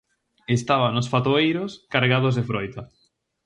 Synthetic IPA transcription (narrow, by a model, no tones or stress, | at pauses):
est̪aβanʊsfat̪oejɾoskaɾɣað̞ozðefɾojt̪a